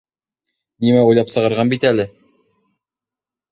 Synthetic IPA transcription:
nimæujlˠɑpsɤ̆ʁɤ̆ɾʁɑnbit̪ælɘ

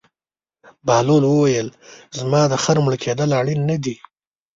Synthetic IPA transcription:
bɑːlolwəwajəlzmɑːd̪əxaɾmɽəkʰed̪əlaɽinːad̪i

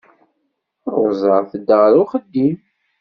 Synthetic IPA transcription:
rzˤəɾˤθəd̪əʁɾʊχəd̪ːim

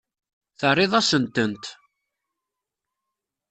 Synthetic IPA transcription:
θərˤːɪðˤɑsənt̪ənt̪

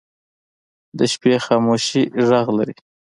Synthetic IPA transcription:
d̪əʃpexɑːmoʃiʒaɣlaɾi

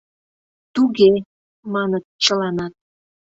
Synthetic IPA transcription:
t̪uɣe | mɑnət̪t͡ɕəlɑnɑt̪̚

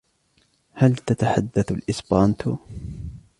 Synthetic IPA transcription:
halt̪at̪aħad̪ːaθalʔɪsbaːnt̪ʰʊ

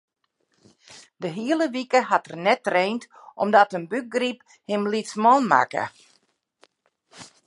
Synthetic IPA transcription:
dəɦiələʋikəɦatərnɛtreːntʔɔmdɔtənbyk̚ɡrip | hɪmlitsmɔːnma̰kə̰

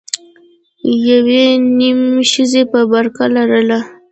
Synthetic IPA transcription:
jawenimʃəzepəbaɾkalaɾəla

